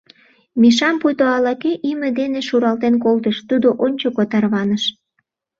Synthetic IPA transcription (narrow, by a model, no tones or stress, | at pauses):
miʃɑmpujt̪oɑlɑkeʔimed̪eneʃuɾɑlt̪enkolt̪̬əʃt̪ud̪oʔonʲt͡ɕokot̪ɑrβɑnəʃ